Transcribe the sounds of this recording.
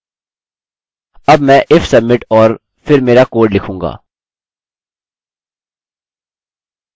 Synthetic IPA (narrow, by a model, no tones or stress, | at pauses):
ɐbmɛ̃ːʔɪfsɐmːɪʈɔːɾ | pʰɪɾmeːɾakoːɾɖlɪkʰũːŋɡa̰ː